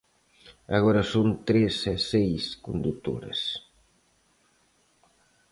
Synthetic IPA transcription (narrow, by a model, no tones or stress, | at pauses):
a̰ɣɔɾɐsont̪ɾesɛsejskond̪ut̪o̰ɾɐ̰s